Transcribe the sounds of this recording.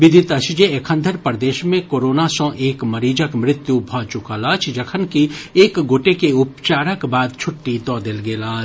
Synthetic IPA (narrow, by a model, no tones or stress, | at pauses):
ʋɪd̪ʱɪt̪ɐʃd͡ʒeekʰə̃nd̪ʱəɾpəɾd̪eːʃmẽkoːɾoːnasɔ̃ʔeːkmɐɾiːd͡ʒəkmɾɪt̪jubʱɔːt͡ʃʊkalaːt͡ʃʰd͡ʒɐkʰənkieːkɡoːʈekeʊpt͡ʃaːɾəkbaːd̪̚t͡ʃʰʊʈːit̪ɔːd̪elɡeːlaːt͡ʃ